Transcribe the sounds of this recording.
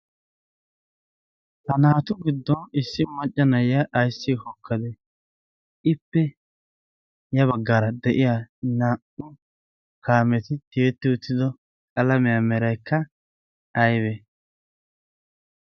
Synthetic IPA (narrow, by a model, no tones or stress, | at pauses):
t̪ɐnaːt̪ʊɡɪd̪ːɔnɪsːɪmɐt͡ʃʼːɐnɐjɐʔːjsːɪhɔkʰːɐd̪ɛ | ʔɪpːɛ | jɐβɐɡːaɾɐd̪ɛʔɪjanaːʔʊ | kʰaːmɛt̪ɪd̪eːt̪ːɪʊt̪ːɪd̪ɔ | kʼɐlɐmɛjamɛɾɐjkʰːɐ | ɐjbɛ